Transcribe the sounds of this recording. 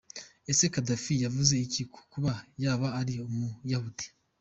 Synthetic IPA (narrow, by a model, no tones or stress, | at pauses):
e̞se̞kadafijavuze̞icikʰu̥kuβajaːβaːɾiomujahute̥